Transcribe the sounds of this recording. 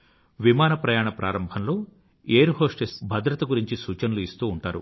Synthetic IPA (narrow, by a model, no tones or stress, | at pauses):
ʋimaːnɐpɾɐjaːɳɐpɾʔaːɾɐmbʱɐnlo̞ː | eːɾɦo̞ːʂʈesbʱɐd̪ɾɐt̪ɐɡuɾiɲt͡ʃisuːt͡ʃɐnɐluist̪uːɳʈaːɾṵ